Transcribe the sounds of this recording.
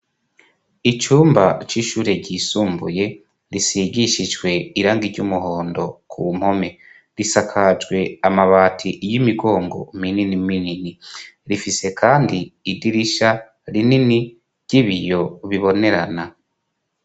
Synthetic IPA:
it͡ʃuːmbat͡ʃiʃuːɾe̞ɟisuːmbuje̞ | ɾisiɡiʃid͡ʒɡwe̞iɾaːŋɡiɾɟumuɦo̞ːndo̞kʰṵm̥ho̞me̞ | ɾisakʰad͡ʒɡwe̞amaβaːtʰiʔjimiɡo̞ːŋɡo̰mininimininiɾifise̞kʰaːndiːdiɾiʃa | ɾinini | ɾɟ̥iβijo̞βiβo̞ne̞ɾa̰na

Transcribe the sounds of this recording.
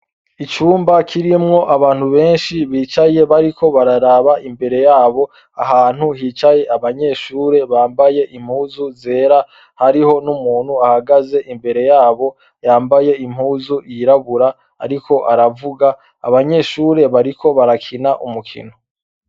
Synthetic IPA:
it͡ʃuːmbakʰiɾimŋo̞ʔaβaːn̥huβe̞ːnʃiβiːt͡ʃaje̞βaɾikʰo̞βaɾaɾaβaʔimbe̞ɾe̞jaːβo̞ | aɦaːn̥huhiːt͡ʃaje̞ʔaβaɲe̞ːʃuːɾe̞βaːmbaje̞ʔim̥huːzuze̞ːɾa | haɾiho̞numuːn̥huahaɡaze̞ʔimbe̞ɾe̞jaːβo̞ | jaːmbaje̞im̥huːzuiɾaβuɾa | a̰ɾikʰo̞ʔaɾavuɡa̰ː | βaɲe̞ʃuːɾe̞βaɾikʰo̞βaɾakʰinaʔumukʰḭno

